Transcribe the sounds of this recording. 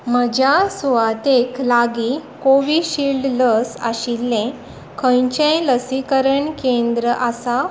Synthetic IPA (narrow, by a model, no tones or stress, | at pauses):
m̤əd͡ʑjasuʋat̪eklaɡikoʋiɕilɖləsa̰ɕilːẽ | kʰə̃jt͡ɕẽləsikəɾəɳkẽnd̪ɾəʔasa